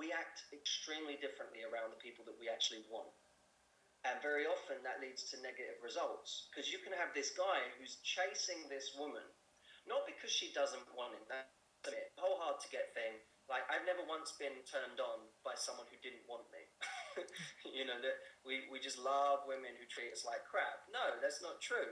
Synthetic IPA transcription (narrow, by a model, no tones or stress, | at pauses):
wiæk̚tɨkstɹ̥ĩmlidɪfɹɨ̃nʔliə˞ãʊ̃nðəpʰipl̩ˠðəʔ̚wiæk̚t͡ʃʉl̩ˠiwɑ̰̃nt | ɨ̃nvɛɹiɑfɨ̃nðəʔˡlidz̥tʰɨnɛɡɨɾɪvɹɨzʌlˠtskʰʌzjɨkʰɨ̃nɨvðɪsɡ̥aɪhʉz̥t͡ʃʰeɪsɪ̃ŋðɪswʊmə̃nː | ət̚b̥ɨkʰʌz̥ʃidʌzə̃nʔwɑ̃nɨ̃nðə | ɪhoʊlˠɦɑɹd̚tʰɨɡɛt̪̚θɪ̃ŋ | laɪkaɪvnɛvə˞wʌ̃nsb̥ɨ̃ntʰɜ̃˞ndn̩b̥aɪsʌ̃mwʌ̃nhʉdɪdⁿn̩ʔwɑ̃nmḭ | jɨnoʊðɨt̚wiwid͡ʒʌstˡlʌvwɪ̃mɨ̃nhʉtʰɹ̥iɨslaɪkʰɹ̥æb̥̚noʊðætsnətʰɹ̥ʉ